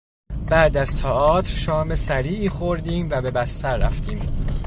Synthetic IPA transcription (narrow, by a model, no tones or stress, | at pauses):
bæːd̪æz̥t̪ʰɒʔɒːt̪ʰɾʃɒːmesæɾiːʔiːχoɾd̪iːmvæbe̞bæst̪ʰæɾːæ̰ft̪ʰiːm